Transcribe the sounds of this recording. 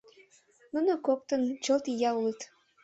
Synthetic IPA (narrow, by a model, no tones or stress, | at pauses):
nunokok̚t̪ə̆nt͡ɕolt̪ijɑulət̪